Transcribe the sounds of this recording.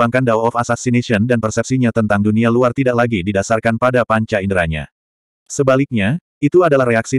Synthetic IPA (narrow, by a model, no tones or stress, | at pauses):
aŋkandawɔfasasinesiɔndanpərsɛp̚siɲat̪ənt̪aŋdunialuart̪idaʔlaɡididasarkanpadapaɲt͡ʃaindɾaɲa̰ | səbalik̚ɲa | it̪uadalahreaksi